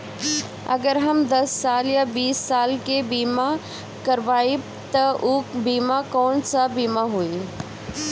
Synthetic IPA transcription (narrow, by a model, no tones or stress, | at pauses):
ɐ̰ɡəɾɦɐmd̪ɐsːaːljabiːsːaːlkebiːma | kɐɾʋaːi | t̪ɐʔuːbiːmakoːɳsabiːmaɦui